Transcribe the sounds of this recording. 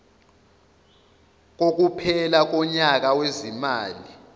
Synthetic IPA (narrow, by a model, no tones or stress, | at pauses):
k̬ok̬upʰɛlak̬ɔɲak̬awezimaːli